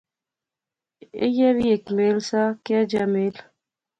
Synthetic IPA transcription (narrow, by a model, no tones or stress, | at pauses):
ḛjɛβjekmelsakɛd͡ʒamel